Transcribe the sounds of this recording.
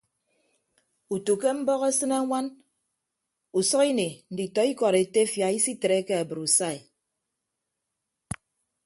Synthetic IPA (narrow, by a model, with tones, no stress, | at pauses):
u˨tu˨ke˦m̩˦bɔ˦ɣe˦sɨ˦na˦ŋʷa˦n | u˨sɔ˦ki˦ne˨n̩˨di˨tɔ˨i˦kɔ˨ɾe˨te˦fja˨i˦si˦te˨ɾe˦ke˦a˨bɨ˨ɾu˨sa˦˨i˨